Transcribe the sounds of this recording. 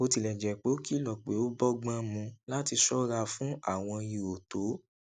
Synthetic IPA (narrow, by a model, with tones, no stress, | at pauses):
o˧ti˧˨lɛ˨d͡ʒɛ˨k͡pe˨˦ki˦lɔ˦˨k͡pe˨˦o˦bɔ˦ɡ͡bã˦mũ˧la˦ti˧sɔ˦ɾa˧fũ˦a˦˨w̃ɔ̃˧ji˨o˨to˨˦